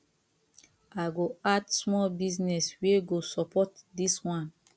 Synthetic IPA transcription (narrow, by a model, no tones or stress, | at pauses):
aɡoadsmɔlbiznɛsweɡosɔpʰɔtdiswãn